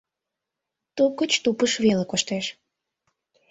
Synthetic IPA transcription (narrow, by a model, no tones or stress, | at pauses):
t̪ukət͡ɕt̪upəʃβelekoʃt̪eʃ